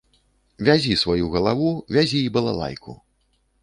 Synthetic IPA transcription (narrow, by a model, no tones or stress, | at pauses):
vʲazʲisvajuɣɐlˠavuvʲazʲiːbɐlˠa̰lˠa̰jkʰṵ